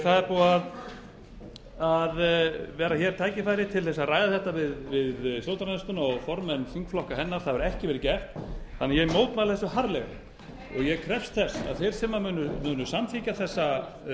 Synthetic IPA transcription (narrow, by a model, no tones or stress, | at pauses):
θaðɛɾpuað | aðvɛːɾaçɛɾ̥t̪ʰaːjcɪfajɾɪt̪ʰɪlθɛsːaraːjðaθɛht̪avɪðvɪðslowt̪ɾanst̪ʏnɔɣfɔɾmɛnfiŋkflɔhkaɦɛnːaɾ̥θaðvʏɾɛhcɪvɛːɾɪcɛft̪θanːɪjɛmoːwt̪malθɛsːʏɦaɾlɛɣɪ̰ | ɔ̰ɣjɛkʰɾɛfst̪θɛsa̰ðθɛjɾ̥sɛmːamʏːnʏmʏːnʏsamθicaθɛsːa